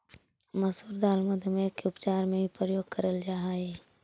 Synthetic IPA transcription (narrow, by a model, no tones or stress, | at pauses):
məsuːɾd̪aːlməd̪ʱmekeʊpt͡ʃaːɾmẽipɾəjoːɡ̚kəɾəld͡ʒaːɦaeː